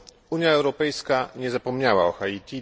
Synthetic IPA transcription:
uɲjaɛwɾɔpɛjskaɲɛzapɔmɲawaɔxait̪ʲi

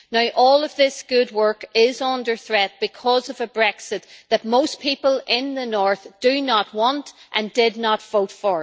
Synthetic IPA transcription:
naʊʔɔlˠəvðɪsɡ̥ʊd̚wɜ˞kɪzʌ̃ndə˞θɹɛt̚b̥ɨkʰɔzʌvəbɹɛksɪt̪̚ðət̚moʊspʰipəlˠɪ̃nðənɔɹθd̥ɨnət̚wɑ̃ntʔə̃ndɪdⁿnətv̥oʊtfə˞

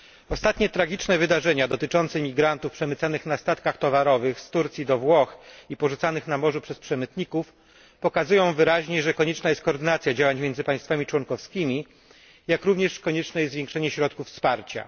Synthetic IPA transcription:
ɔst̪at̪ɲɛt̪ɾaɡʲit͡ʂnɛvɘd̪aʐɛɲad̪ɔt̪ɘt͡ʂɔnt̪sɛmʲiɡɾant̪ufpʂɛmɘt̪sanɘxnast̪at̪kaxt̪ɔvaɾɔvɘxst̪uɾt̪sʲjid̪ɔvwɔxipɔʐut̪sanɘxnamɔʐupʂɛspʂɛmɘt̪ɲikuf | pɔkazujɔ̃w̃vɘɾaʑɲɛʐɛkɔɲɛt͡ʂnajɛst̪kɔːɾd̪ɘnat̪sʲjad͡ʑawaɲmʲɛnzɘpãj̃st̪famʲit͡ʂwɔŋkɔfskʲimʲi | jakɾuvɲɛʂkɔɲɛt͡ʂnɛjɛzvʲjɛ̃ŋkʂɛɲɛɕɾɔt̪̚kufspaɾt͡ɕa̰

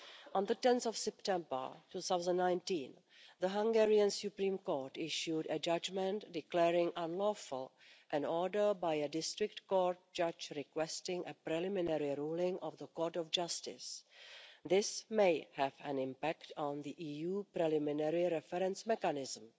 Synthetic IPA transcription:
ʔɔ̃nðətɛ̃nθɔfsɛptɛ̃mbə̰˞tuθawzə̃nnãjntĩːn | ðəɦãŋɡɛɹiə̃nsjupɾĩːmkoɹtɪʃjudəd͡ʒad͡ʒmɛ̃ntdɪklɛːɹɪ̃ŋʔãnlɔːfʊl | ʔɛ̃nɔdə˞bajədɪstɾɪktkoɹt̚d͡ʒad͡ʒɾɪkwɛstɪ̃ŋʔəpɾɛlɪmɪnɛɾɪɾuːlɪ̃ŋʔɔvðəkɔːɹtɔfd͡ʒastɪ̰s | ðɪsmeɪhɛvɛ̃nɪ̃mpæktɔ̃nðiʔiːjuːpɾɛlɪmɪnɛɹɪɾɛfɛɾɛ̃nsmɛkanɪzm̩

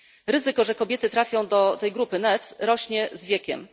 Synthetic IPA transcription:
ɾɘzɘkɔʐɛkɔbʲjɛt̪ɘt̪ɾafʲjɔ̃w̃d̪ɔt̪ɛjɡɾupɘnɛt̪sɾɔɕɲɛzvʲjɛkʲɛ̰m

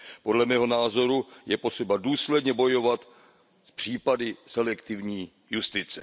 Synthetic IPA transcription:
po̞dlɛmɛːɦo̞naːzo̞ɾujɛpo̞t̪r̝̥ɛbaduːslɛdɲɛbo̞jo̞vat̪ | spr̝̥iːpadɪsɛlɛkt̪ɪvɲiː | just̪ɪt͡sɛ

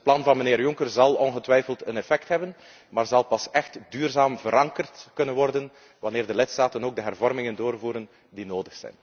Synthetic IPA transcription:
ətplɑnvɑnməneːrjʊŋkərzɑlˠɔnɣətʋɛjfəlˠtənɛfɛktɦɛbən | maːrzɑlˠpɑsɛxtdyːrzaːmvəɾɑŋkərtkɵnənʋɔrdən | ʋɑneːrdəlɪtstaːtənoːɡ̚dəɦɛrvɔrmɪŋəndoːrvuːɾən | dinoːdəxsɛ̰jn

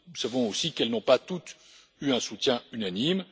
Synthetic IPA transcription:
nusavɔ̃osikɛlnɔ̃pat̪ut̪ | yɛ̃sut̪jɛ̃ynanim

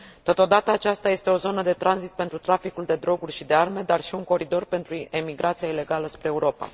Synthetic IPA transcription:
t̪o̞t̪o̞d̪at̪əat͡ʃast̪aje̞st̪e̞o̞zo̞nəd̪e̞t̪ɾanzit̪̚pe̞nt̪ɾut̪ɾafikuld̪e̞d̪ɾo̞ɡurʲʃid̪e̞arme̞d̪arʃiuŋko̞ɾid̪o̞rpe̞nt̪ɾuemiɡɾʔat̪siaile̞ɡaləspɾe̞ːuɾo̞pa̰

